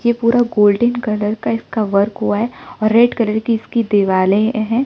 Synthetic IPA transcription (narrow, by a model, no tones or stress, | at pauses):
jepuːɾaɡoːlɖənkɐləɾkaɪskaʋɐɾkɦuaɦɛɔːɾːeɖkɐləɾkiɪskid̪eːʋaːlẽɦɛ̃ː